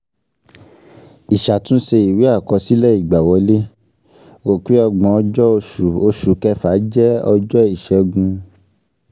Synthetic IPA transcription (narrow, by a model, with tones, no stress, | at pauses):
i˨ʃa˨tũ˦ʃe˧i˨wi˨˦a˦˨kɔ˧si˦lɛ˦i˦˨ɡ͡ba˨wɔ˨˧˦le˦ | wo˨ke˨˦ɔ˧ɡ͡bɔ̃˨˧ɔ˧d͡ʒɔ˦o˧ʃu˨o˧ʃu˨kɛ˧˦fa˨˦d͡ʒɛ˦ɔ˧d͡ʒɔ˦i˦˨ʃɛ˧˦ɡũ˧